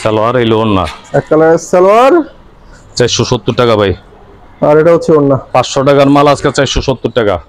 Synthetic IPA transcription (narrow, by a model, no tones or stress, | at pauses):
sɛloaɾejlonːa̰ɛk̚ʈalaessɛloaɾ | t͡ɕajsʃːɔʃot̪ːuɾʈakabʱaj | aɾeʈaot͡ɕʰionːapãsʃɔʈakaɾmalad͡ʑket͡ɕajsɔʃot̪ːuɾʈaka̰